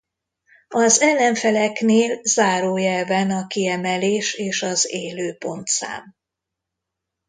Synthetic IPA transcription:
ɒzɛlːɛɱfɛlɛkneːlzaːɾoːjɛlvɛnɒkiɛmɛleːʃeːʃɒzeːløːpo̞nt̪sa̰ːm

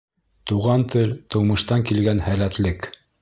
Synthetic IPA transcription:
t̪uʁɑnt̪ɵlt̪ɤ̆wmɤ̆ʃt̪ɑŋkilɡænhælæt̪lɘk

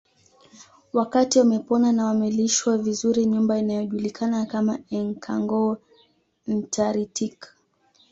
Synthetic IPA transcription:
wakatiwamɛpɔnanawamɛliʃwavizuɾiɲumbainajɔʄulikʰanakamaɛŋkʰa̰ŋɡɔ | n̩tʰaɾitik

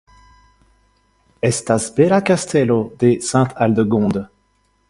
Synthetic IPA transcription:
ɛst̪asbeɾakast̪ʰɛlod̪esɛ̃t̪ʰald̪əɡɔ̃d̪

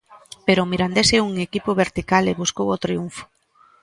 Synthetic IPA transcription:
peɾʊmiɾand̪eseuŋekipʊβeɾt̪ikaleβuskowot̪ɾiuɱfʊ̥

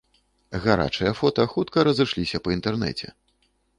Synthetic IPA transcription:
ɣaɾa̰t͡ʂɨjɐfɔt̪ɐxut̪kɐɾɐzɨʂlʲisʲɐpɐint̪ɛrnɛ̰t͡sʲɛ̰

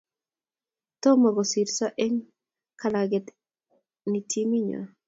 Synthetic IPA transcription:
t̪ɔmaɡɔsiɾsaʔɛŋ | kalaɡɛt̪ | nitʰimiɲa̰

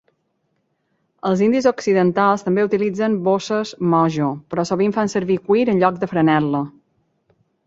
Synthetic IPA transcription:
əlˠzind̪izoksiðənt̪alˠst̪əmbeut̪ilid͡zənbosəzmɔʒopɾɔsoβ̞iɱfansəɾβikwiɾənʎɔk̚d̪əfɾənɛlə

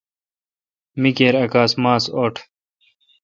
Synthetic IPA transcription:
mikeːɾɐkaːsmaːsoːʈʰ

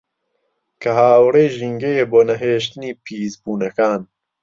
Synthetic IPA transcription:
kʰɐɦaːwreːʒiːŋɡejeːboːnɐɦeːʃt̪ɨniːpʰiːzbuːnɐkaːn

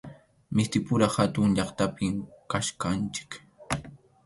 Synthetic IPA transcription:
mɪst̪ɪpʊɾahat̪ʊŋʎɑχt̪apɪmkaʃkant͡ʃɪ̥k

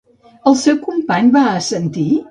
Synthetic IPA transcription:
əlˠsɛwkumpaɲbaəsənt̪i

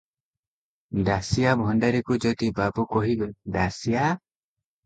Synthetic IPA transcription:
dasijabʱɔnɖaɾikud͡ʒɔd̪ibabukɔɦibeɖasija

